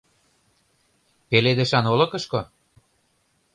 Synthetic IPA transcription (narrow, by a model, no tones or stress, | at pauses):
peled̪ĕʃɑnolɤ̆kɤ̆ʃko